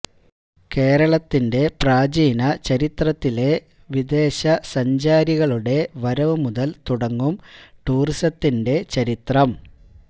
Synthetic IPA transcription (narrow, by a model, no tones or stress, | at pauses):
ke̞ːɾɐɭɐt̪ːinde̞praːd͡ʑiːnɐt͡ɕɐɾit̪rɐt̪ːile̞ | ʋid̪e̞ːɕɐsɐɲd͡ʑaːɾiɣɐɭuɽe̞ʋɐɾɐʋɨmuðɐlt̪uɽɐŋːumʈuːrisɐt̪ːinde̞t͡ɕɐɾit̪rɐm